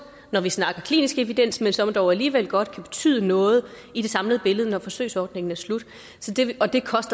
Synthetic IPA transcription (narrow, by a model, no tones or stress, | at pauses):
nɒʋisnɑ̈ɡ̥ɐkʰlḭːnisɡ̥eʋid̥en̰smensɒ̽md̥ɒʊæliːʋel̰ɡ̥ɒ̽d̥kʰæb̥e̝̥t͡sʰy̰ːðˠənɔ̽ːð̞̩ˠ | id̥e̝sɑ̈mləð̞̩ˠəb̥e̝ləð̞̩ˠənɒfɒ̽sø̰ɪsɒːd̥ne̝ŋn̩æslud̥ | sɒ̽d̥e̝ɒ̽d̥e̝kʰɒ̽sd̥ɐ